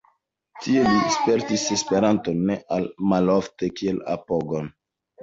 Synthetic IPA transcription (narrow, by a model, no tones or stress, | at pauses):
tielispe̞ɾtise̞spe̞ɾantonːeʔalmaloftekiela̰poɡon